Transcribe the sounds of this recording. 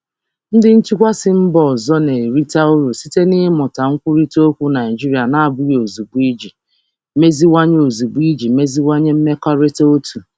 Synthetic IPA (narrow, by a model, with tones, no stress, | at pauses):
n̩˦dɪ˦n̩˦t͡ʃi˦kʷa˦sɪ˦m̩˦bɔ˨zɔ˦ne˨ɾi˦ta˦ʊ˦ɾu˨si˦te˦nɪ˦mɔ˨ta˨ŋ̩˦kʷu˦ɾi˦to˦kʷu˦na˨ɪ˨d͡ʒi˦ɾi˨˦a˨na˨a˨bʊ˦ɾo˨zu˨ɡ͡bi˦d͡ʒi˨ | me˦zi˦wa˦ɲe˦o˨zu˨ɡ͡bi˦d͡ʒi˨me˦zi˦wa˦ɲe˦m̩˦me˦kɔ˦ɾe˦to˦tu˨